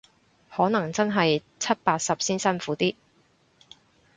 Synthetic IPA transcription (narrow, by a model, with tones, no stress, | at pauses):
hɔː˨˥nɐ˨˩ŋt͡sɐ˥nɦɐ˨j | t͡sʰɐ˥t̚paː˧t̚sɐ˨p̚siː˥nsɐ˥nfuː˨˥t̪iː˥